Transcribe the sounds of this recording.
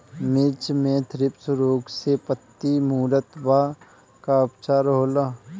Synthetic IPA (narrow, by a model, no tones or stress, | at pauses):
mɪt͡ʃmẽt̪ʰɾɪpsʊɾoːɡsepət̪ːimuːɾət̪baː | kaʊpt͡ʃaːɾɦoːlaː